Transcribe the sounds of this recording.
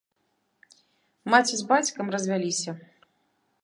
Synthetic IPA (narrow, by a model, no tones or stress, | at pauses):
mat͡sʲizbat͡sʲkɐmrɐzʲvʲalʲisʲɐ